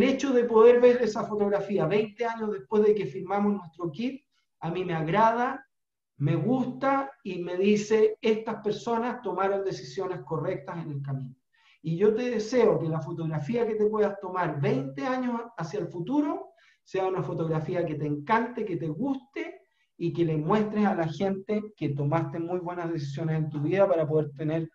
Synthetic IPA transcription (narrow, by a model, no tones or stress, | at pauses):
le̞t͡ʃo̞ðe̞po̞ðe̞ɾβe̞ɾesafot̪o̞ɣɾafiaβejnt̪eaɲozðehpwe̞zðeke̞fiɾmamosnwe̞st̪ɾo̞kit̪̚ | amimeaɣɾað̞a | me̞ɣust̪aime̞ðiseest̪aspe̞ɾso̞nast̪o̞maɾond̪e̞sisjo̞ne̞sko̞re̞k̚t̪asenelkamino | iʝo̞t̪e̞ðese̞okelafot̪o̞ɣɾafiaket̪epwe̞ðast̪o̞maɾβejnt̪eaɲosasjalfut̪uɾo | seaunafo̞t̪o̞ɣɾafiaket̪eːŋkant̪eket̪eɣust̪e | ikelemwe̞st̪ɾesalaçe̞nt̪eket̪o̞mast̪e̞mujβwe̞nazðes̬is̬jo̞nese̞nt̪uβiðapaɾapo̞ðeɾt̪eneɾ